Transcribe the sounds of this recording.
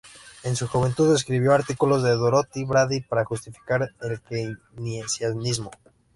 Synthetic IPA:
e̞nsuxuβe̞nt̪uðe̞s̬kɾiβ̞jo̞aɾt̪ikulo̞zðeðoɾot̪iβɾaðipaɾaxust̪ifi̥kaɾelke | nesjanizmo̞

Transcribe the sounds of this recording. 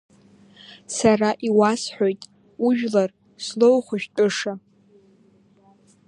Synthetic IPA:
saraʔiwasħʷo̞jtʼ | uʒᶣlar | slowχʷʊʃᶣtʼɨʂa

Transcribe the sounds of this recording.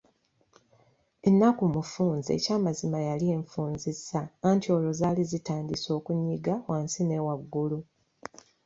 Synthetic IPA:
e̞nːakumufuːnzḛcaːmazimajalieɱfuːnzisaːntio̞ːlo̞zaːlizitaːndiso̞ːkuɲːiɡawaːnsine̞waɡːulu

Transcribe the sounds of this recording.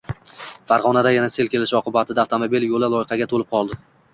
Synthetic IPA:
faɾʁɒnad̪ajanase̞lkʲʰe̞lɪʃɒqɨbat̪ʰɪd̪aːft̪ʰomobiljolalˠɒjɪqɑɡʲat̪ʰolɪp̚qʰɒlˠd̪ɪ

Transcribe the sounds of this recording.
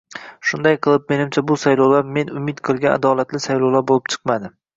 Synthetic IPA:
ʃʊnd̪ajqʰɨlˠɪp̚me̞nɪmt͡ʃʰabʊsajlˠowlaɾme̞nʊmɪt̪qʰɨlˠɡʲana̰d̪ɒlat̪lɪsajlowlaɾbolɪpt͡ʃʰɨ̥qmad̪ɪ

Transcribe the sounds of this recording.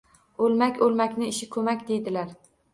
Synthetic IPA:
olmakʲʰɵlˠmakʲnɪɪʃɪkʰɵmakʲd̪e̞jd̪ɪlaɾ

